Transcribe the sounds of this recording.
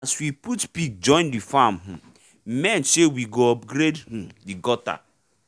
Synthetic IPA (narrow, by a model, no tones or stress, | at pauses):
aswiputpik̚d͡ʒɔ̃ɪ̃ndifamɦ̩ | mɛ̃nsewiɡoɔp̚ɡɾedhũdiɡɔta̰